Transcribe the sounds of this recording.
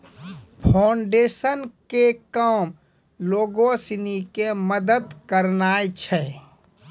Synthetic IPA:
pʰaʊɳɖeːsənkekəm | loːɡosinikeməd̪əd̪kəɾnaːjt͡ʃʰɛ

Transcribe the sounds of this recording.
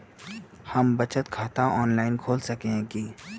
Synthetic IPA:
hɐmbɐt͡ʃət̪kʰaːt̪ãʔɔːnlaːɪnkʰoːlsɐkeɦɛ̃ki

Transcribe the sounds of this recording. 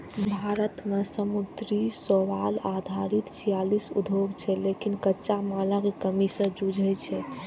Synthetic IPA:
bʱaɾət̪mesəmud̪ɾisoʋalad̪ʱaɾit̪t͡ʃʰijalisṵd̪ʱoɡt͡ʃʰɛlekinkəːʃamaləɡkəmisə̃d͡ʒud͡ʒʱɛt͡ʃʰɛ

